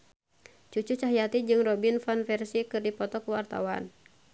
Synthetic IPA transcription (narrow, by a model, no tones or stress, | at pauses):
t͡ʃut͡ʃut͡ʃaɦjat̪id͡ʒɨŋrɔbinfanfɛrsikɨrdipɔt̪ɔkuwart̪a̰wa̰n